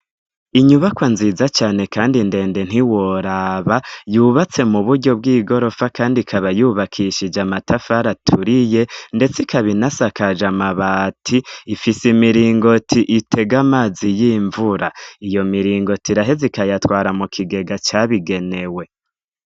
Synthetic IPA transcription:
iɲuβakwanzizat͡ʃaːne̞kaːndinde̞ːnde̞n̥iwoɾaβajuːβat͡se̞muβuɾɟo̞b̚ɡiːɡo̞ɾo̞fakaːndikʰaβajuːβakʰiʃid͡ʒamatʰafaɾatʰuɾije̞nde̞t͡sikaβinasakad͡ʒamaβaːtʰiːfisimiɾiːŋɡo̞tʰiʔitʰe̞ɡamaːzijiːɱvuɾaijo̞miɾiːŋɡo̞tiɾaɦe̞zikajatwaːɾamukʰiɡe̞ɡat͡ʃaβiɡe̞ne̞we̞

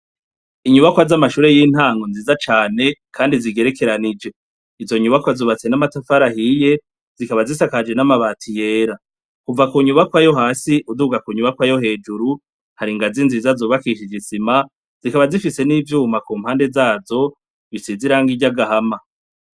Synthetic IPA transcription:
iɲuβakwazamaʃuːɾe̞jiːn̥haːŋɡonziːzat͡ʃaːne̞kʰaːndiziɡe̞ɾe̞ke̞ɾanid͡ʒe̞ | izo̞ɲuβakwazuːβat͡se̞namatafaɾahije̞ | z̥ikaβazisakad͡ʒe̞namaβaːtʰije̞ːɾa | kuvakuɲuβakwajo̞ɦaːsiʔuduɡakuɲuβakwajo̞ɦe̞ːd͡ʒuɾu | haɾiŋɡazinziːzazoːβakiʃid͡ʒisima | z̥ikaβazifise̞niːvjuːmakuːm̥haːnde̞zaːzo̞ | βisiziɾaŋɡiɟaɡaɦama

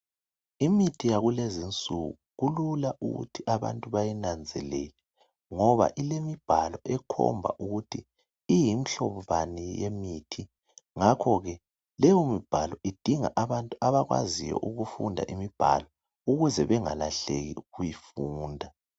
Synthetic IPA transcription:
imitʰijaɣulezint͡sʼuɣuɣululaʔṵɣṵtʰiʔaβa̰ntʼuβajinand͡zʱɛlɛ̰lɛ | ŋɔβa̰ʔilemib̥ʱalɔʔɛkʰɔ̰mbʱa̰ʔuɣutʰiː | jim̩ɬɔββanijemitʰi | ŋakʰɔɣɛ | lɛjɔmib̥ʱalɔʔid̥ʱiŋaʔaβantʼuaβaɣwa̰zijɔ̰ʔuɣufṵndʱa̰ʔimib̥ʱa̰lɔ | uɣuzɛβɛŋala̰ɬḛɣḭɣujifuːndʱa

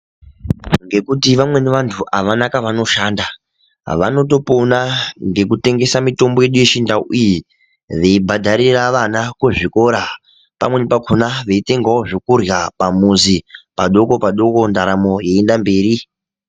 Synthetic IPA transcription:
ŋɡe̞kutiʋamwe̞neʋantʰuʔaʋanakaʋano̞ʃaːnda | ʋa̰no̞to̞ponaŋɡe̞kute̞ŋɡe̞samito̞mboje̞ɗuje̞t͡ʃindao̰ʔiji | ʋe̞ibʱadʱaɾiraʋanakuʐiko̞ɾa | pa̰mwe̞nipakʰonaʋeite̞ŋɡawoʐokurjapamuzipaɗo̞ko̞paɗo̞ko̞ndaɾamo̞je̞ːndambe̞ːɾi

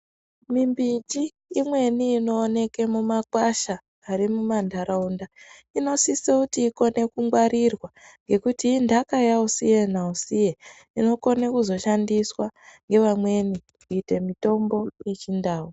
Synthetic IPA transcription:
mimbid͡ʒiː | mwe̞niːno̞ːne̞ke̞mumakwaʃaː | ɾimumandʱaɾaundaino̞sisekutiːko̞ne̞kuŋɡwaɾʔirwaŋɡe̞kutiːndʱakajausije̞nausije | ino̞ko̞nekuzo̞ʃandiswaŋɡe̞ʋamwe̞ni | kuite̞mito̞mbo̞je̞t͡ʃindaːwo

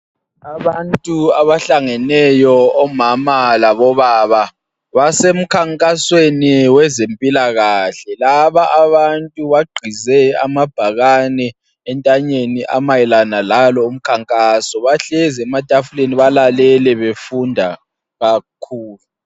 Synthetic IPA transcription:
aβantʼuaβaɬaŋɛnɛjɔːmamalaβɔβaβa | βasem̩kʰaŋkʼasweniwɛzempʼilaɣaːɬɛlaβaʔaβantʼuβaɡ͡ǃʱizɛamab̥ʱaɣanɛː | ntʼaɲeniʔamajɛlanalalɔum̩kʰaŋkʼasɔβaɬɛzɛmatʼafuleniβalalɛlɛβefundʱa | ɣakʰuːlu

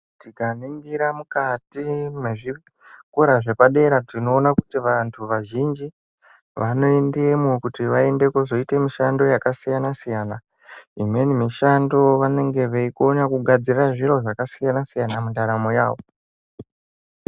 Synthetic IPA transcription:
tikaniŋɡiɾamukatimweʐi | kuɾaʐe̞paɗe̞ɾaino̞ːnakutiʋantʰuʋaʒind͡ʒi | ʋano̞endiemokutiʋae̞nde̞kozo̞ite̞miʃando̞jakasijanasijaːna | imwe̞nimiʃando̞ʋane̞ŋɡe̞ʋeikonakuɡʱad͡ziraʐiɾo̞ʐakasijanasijanamundaɾamo̞ja̰ːʋo̞

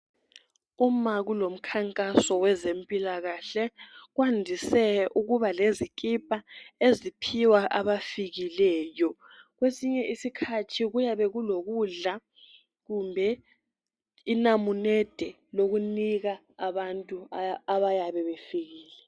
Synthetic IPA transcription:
umaɣulom̩kʰaŋkʼasɔwɛzempʼilaɣaɬɛɣwandʱisɛʔuɣuβalezikʼipʼaezipʰiwaʔaβafiɣilɛːjɔ | ɣwesiɲɛʔisikʰatʰiɣujaβɛɣuloɣuɮa | ɣumbʱɛ | inamunɛd̥ʱɛ | loɣuniɣa | aβantʼuaβajaβɛβefiɣiːlɛ

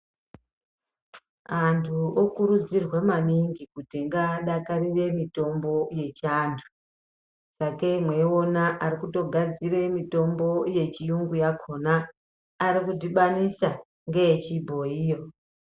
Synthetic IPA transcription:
antʰuokuɾud͡zirwe̞maniŋɡikutiŋɡaɗakariʋe̞mito̞mbo̞je̞t͡ʃantʰu̥ | sakemwe̞o̞naʔarikuto̞ɡʱad͡zire̞mito̞mbo̞je̞t͡ʃijuŋɡujakʰo̞naː | ɾikudiɓanisa | ŋɡe̞t͡ʃibʱo̞iːjo̞

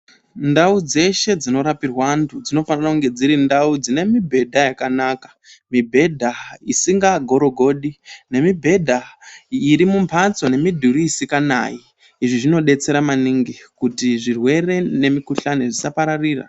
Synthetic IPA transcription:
ndaud͡ze̞ʃe̞d͡zino̞ɾapirwantʰud͡zino̞fanirakuŋɡe̞d͡ziɾindaud͡zine̞mibʱe̞dʱajakanakḁ | mibʱe̞dʱaisiŋɡaɡʱo̞ɾo̞ɡʱo̞ɗine̞mibʱe̞dʱaiɾimumpʰat͡so̞ne̞midʱuɾiːsikana̰jiː | ʐiʐino̞ɗe̞t͡se̞ɾamaniŋɡikutiʐirwe̞re̞ne̞mikuɬaniʐisapaɾariːra̰

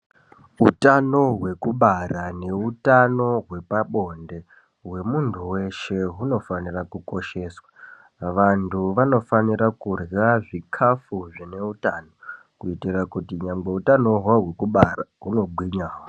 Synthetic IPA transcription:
utano̞ɦwe̞kuɓarane̞utano̞ɦwe̞paɓo̞nde̞ | we̞muntʰuwe̞ʃe̞ɦuno̞fanirakuko̞ʃe̞ːswa | ʋantʰuʋano̞faniɾakurɣaʐikʰafuʐine̞utaːno̞ | kuitirakutiɲamɡe̞utano̞ɦaɦwe̞kuɓaraɦuno̞ɓwiɲaːwo

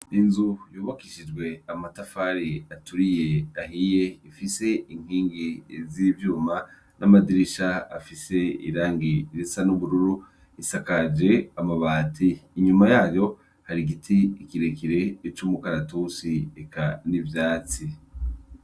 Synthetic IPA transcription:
inzujuːβakiʃid͡ʒɡwe̞amatafaɾiatuɾije̞ahije̞ifise̞iŋ̥hiːŋɡizivjuːma | nʔamadiɾiʃaa̰fise̞ḭɾaːŋɡiɾisanuβuɾuɾu | isakad͡ʒe̞amaβaːtʰiːɲumajaːjo̞ | haɾiɡitʰiikiɾe̞kiɾe̞t͡ʃumukaɾatusiekanivjaːt͡si

